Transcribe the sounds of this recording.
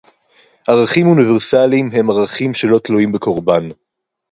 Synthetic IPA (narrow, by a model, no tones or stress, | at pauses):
ʔaʁaχimuniveʁsalimɦe̞maʁaχimʃe̞lo̞t̪luimbeko̞ʁban